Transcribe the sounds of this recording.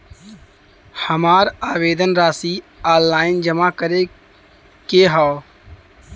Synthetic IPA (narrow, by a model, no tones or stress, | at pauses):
həmaːɾaːʋeːd̪ənɾaːsiː | aːlːaːɪnd͡ʒəmakəɾe | keːɦaːo